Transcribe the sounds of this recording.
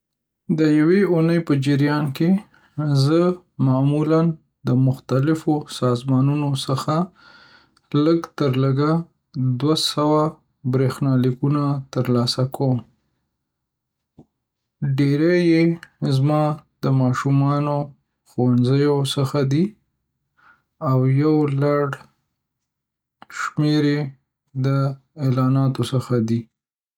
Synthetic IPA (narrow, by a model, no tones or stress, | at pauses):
d̪əjaweunəjpəd͡ʒɪɾjɑnke | zə | mɑmulan | d̪əmʊxt̪alɪfosɑzmɑnunosəxa | ləɡt̪əɾləɡa | d̪wasawa | bɾexnɑlikunat̪əɾlɑsakəwm | ɖeɾejezmɑd̪̥əmɑʃumɑno | xwanzəjosəxad̪i | awjawlaɽ | ʃmeɾe | d̪ə | elɑnɑt̪osəxad̪i